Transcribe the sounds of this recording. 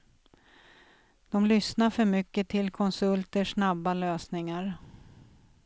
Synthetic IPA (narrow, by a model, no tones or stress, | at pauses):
d̪̥ɔmlʏsnaɾfœɾmʏkːət̪ʰɪlkʰɔnsɵlt̪əʂnabːaløːsnɪŋaɾ